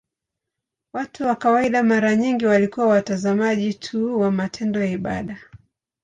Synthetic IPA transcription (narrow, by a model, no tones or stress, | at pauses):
watuwakawaiɗamaɾaɲiŋɡiwalikuwawatazamaʄitʰuwamatʰɛndɔjaiɓa̰ɗa